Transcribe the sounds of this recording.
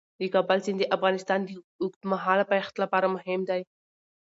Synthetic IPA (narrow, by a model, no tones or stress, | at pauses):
d̪əkɑbalsind̪əʔafɣɑnɪst̪ɑnd̪ə | ʊkt̪maɦɑlapaaxt̪lapɑɾamʊɦɪmd̪aj